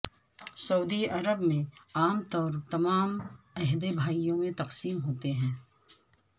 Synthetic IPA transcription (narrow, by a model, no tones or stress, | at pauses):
sɐud̪iɐɾəbmẽaːmt̪ɔːɾt̪ɐmaːm | ɛɦd̪ebʱaːijõmẽt̪ɐqsiːmɦoːt̪eɦɛ̃ː